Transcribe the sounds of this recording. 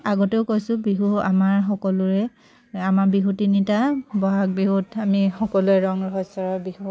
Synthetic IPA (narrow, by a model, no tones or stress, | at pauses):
aɡɔteʊkojsʊ̃biɦua̰maɹxɔkɔlʊɹɛ | amaɹbiɦutinitabɔɦak̚biɦutamixɔkɔluɛɹɔŋɹɔɦɔsɔɹabihu